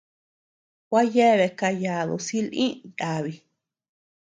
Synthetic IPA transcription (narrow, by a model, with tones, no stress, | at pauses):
kʷa˦je˦˨βe˧ka˧ja˨ðo̰˨si˦lʔĩ˦ja˨βi˧